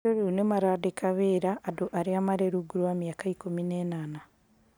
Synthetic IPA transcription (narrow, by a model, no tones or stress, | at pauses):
oɾunemaɾadikaβiɾaʔːduʔaɾiamaɾeɾuɡuɾuwamjaːkaikumineːnaːna